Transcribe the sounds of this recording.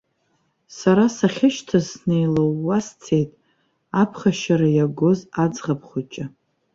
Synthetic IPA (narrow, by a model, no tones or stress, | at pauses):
saɾasaχʲɪʃtʰazsnejlowːast͡sʰe̞jtʼ | apʰχaʃaɾajaɡo̞zad͡zʁapʰχut͡ʃʼɪ